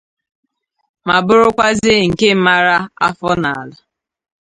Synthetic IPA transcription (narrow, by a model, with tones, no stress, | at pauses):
ma˨bʊ˦ɾʊ˦kʷa˦zɪ˦ŋ̩˨ke˦m̩˦ma˦ɾa˦a˦fɔ˦na˨a˨lʊ˦